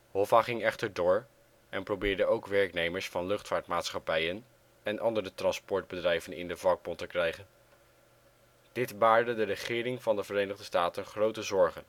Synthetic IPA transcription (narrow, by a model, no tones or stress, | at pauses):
ɦɔvaχɪŋɛχtəɹdʊːɹ | ɛnprowbɪːɹdəowkʋɛɹknejməɹsfɑnlɵχtfaːɹtmaːtsχɑpɛjən | ɛnʔɑndəɾətrɑnspɔɹd̚bədrɛjvənɪ̰ndəvɑɡ̚bɔntəkrɛjχən | d̥ɪtbaːɹdədərəχɪːrɪŋvɑndəvəɾejnəχdəstaːtənχrowtəzɔɹχən